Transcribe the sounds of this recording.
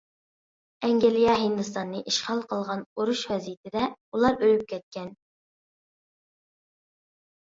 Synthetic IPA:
ɛŋɡʲelijɑɦind̪ɨst̪ɑnːɨʔiʃχɑlˠqʰəlˠʁɑnoɾuʃwɛzijit̪ʰɪd̪ɛulˠɑɾølyp̚kʲʰɛt̪̚kʲɛn

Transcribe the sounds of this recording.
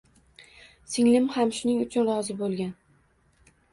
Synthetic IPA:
sɪŋlɪmhamʃʊnɪŋʊt͡ʃʰʊnɾɒzɪbolˠɡʲan

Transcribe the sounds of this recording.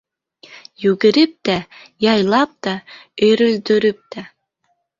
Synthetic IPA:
jʉɡɘ̆ɾɘp̚t̪æjɑjlˠɑp̚t̪ɑøɾɘ̆ld̪ɵ̆ɾɘp̚t̪æ

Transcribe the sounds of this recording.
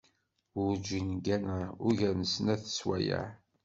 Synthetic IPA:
wʊɾd͡ʒinɡænəɾʊʝænəsnæθə̥swæ̰jə̰ʕ

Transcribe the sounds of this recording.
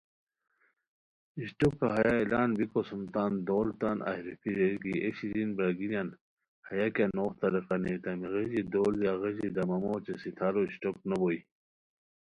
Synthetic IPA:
iɕʈukːaɦɐjailaːnbikosumt̪aːnd̪oːlt̪anʔa̰hɾipʰiɾeɡieɕizinbɾɐɡilʲjan | hɐjakʲanoːxt̪ɐɾiqɑneːt̪ɐmiɣed͡ʑid̪oːljaɣeʑid̪ɐmɐmot͡ɕesit̪ʰaːɾoiɕʈok̚nɐboi

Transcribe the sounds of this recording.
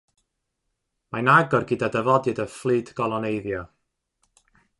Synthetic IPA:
manaɡɔrɡidadəvɔdɨdəflˠɨːdɡ̥ɔlˠɔnejðjɔ

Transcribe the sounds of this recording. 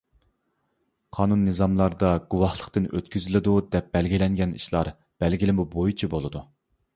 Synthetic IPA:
qʰɑːnunːɨzɑmlˠɑɾd̪ɑɡuwɑhlˠə̥qt̪ɨnøt̪kʲyzɪlɪd̪ud̪ɛp̚bɛlɡʲilɛŋɡʲɛnḭʃlˠɑ̰ɾ | b̥ɛlɡʲilɪmubojit͡ʃʰibolˠɨd̪u

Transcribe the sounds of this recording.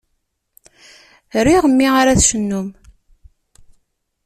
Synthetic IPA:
ɾiʁəmːiaɾaθʃənːum

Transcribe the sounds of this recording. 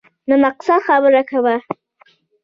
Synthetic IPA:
nəmaqsad̪xabəɾakawa

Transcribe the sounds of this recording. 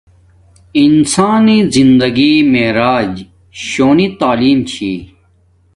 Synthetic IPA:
insaːnizind̪ɐɡimeɾaːd͡ʑ | ɕoːnit̪aːliːmt͡ɕʰḭː

